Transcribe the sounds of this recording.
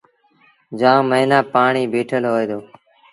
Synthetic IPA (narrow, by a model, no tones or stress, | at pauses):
d͡ʒãːməɦinaːpaːɳiːbeːʈʰəlɦoːeːd̪oː